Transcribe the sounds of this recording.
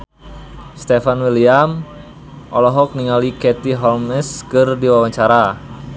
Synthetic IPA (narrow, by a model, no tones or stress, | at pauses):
st̪efanwiliam | ʔɔlɔɦɔk̚niŋalikɛt̪iɦɔlmɛskɨrdiwawaɲt͡ʃaɾa